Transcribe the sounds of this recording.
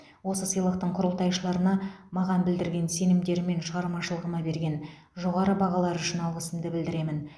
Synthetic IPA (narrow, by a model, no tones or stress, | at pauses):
wo̞səsəjlˠəq̚t̪əɴqʰʊɾəlˠt̪ɑjʃəlˠɑɾənɑmɑʁɑnbɪld̪ɪɾɡʲe̞nse̞nɪmd̪e̞ɾɪme̞nʃəʁɑɾmɑʃəlˠəʁəmɑbe̞ɾɡʲe̞n | ʒo̞ʁɑɾəbɑʁɑlˠɑɾʏʃɪnɑlˠʁəsəmd̪əbɪld̪ɪɾe̞mɪn